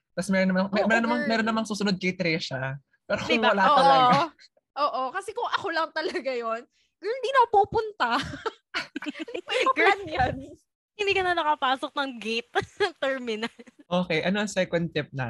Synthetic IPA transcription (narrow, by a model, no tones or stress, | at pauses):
t̪ɐsmɛːɾonːɐmɐmɛmɛɾonɐmɐŋmɛːɾonːɐmɐŋsuːsʊnod̪̚kɐjt̪ɾɛʃɐ | paːɾɐkʊŋbɐlaːoɐa | ʔoːʔokɐsɛkʊŋʔɐko̞lɐŋt̪ɐlɐɡajo̞n | kɪnd̪inɐpuːpʊnt̪ɐ | ɪd̪ijɐɡɾanjan | hɪnd̪iːkɐnɐnɐkɐpaːsok̚nɐŋɡejt̪̚t̪ːɛɹmɪnɐlʔoːkɛʔɐnoʔɐŋsɛkwɛnt̪ɪp̚nɐ̰